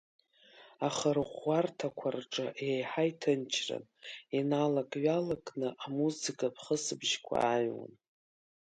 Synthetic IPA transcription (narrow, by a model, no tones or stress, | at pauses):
aχəɾʁʷːartʰakʷʰarʈ͡ʂʼa̰ʔejħajtʰɨnt͡ʃʰrɨ̰ninalakʼɥalakʼnɨʔamuzɨkʰʼapʰχəsɨbʒkʷʰa̰ːɥwa̰n